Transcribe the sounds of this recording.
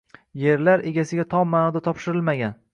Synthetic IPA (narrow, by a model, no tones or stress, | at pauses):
je̞ɾlaɾe̞ɡʲasɪɡʲat̪ʰɒpmːanɒd̪at̪ʰɒpʃɪɾɪlmaɡʲan